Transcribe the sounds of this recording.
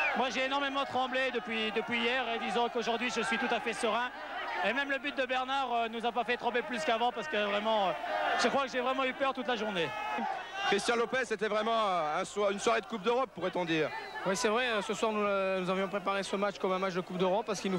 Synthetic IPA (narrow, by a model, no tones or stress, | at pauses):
mwaʒeːnɔʁmemɑ̃t̪χɑ̃bled̪əpɥid̪əpɥijɛʁed̪izɑ̃koʒuʁd̪ɥiʒəsɥit̪ut̪afɛsəʁɛ̃ | emɛmləbyt̪̚d̪əbɛʁnaʁønuzapafɛt̪χɑ̃beplyskavɑ̃paʁsə̥kəvʁɛmɑ̃ʒ̥əkχwakəʒevʁɛmɑ̃ypœʁt̪ut̪laʒuʁne | kχist̪jɑ̃lɔpɛset̪ɛvʁɛmɑ̃øɛ̃swaʁynswaʁed̪əkup̚d̪øʁɔpːuʁɛt̪ɔ̃d̪iːʁwisɛvʁɛøsəswaʁnunuzavjɔ̃pχepaʁesəmatt͡ʃkɔmɛ̃mat͡ʃd̪əkup̚d̪øʁɔpːaʁsə̥kilnu